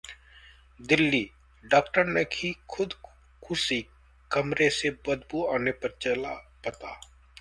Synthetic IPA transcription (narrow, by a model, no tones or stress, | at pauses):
d̪ɪlːi | ɖaːkʈəɾnekʰikʰʊd̪ | kʰʊsi | kɐmɾesebɐd̪buaːnepɐɾt͡ʃɐlapɐt̪a̰ː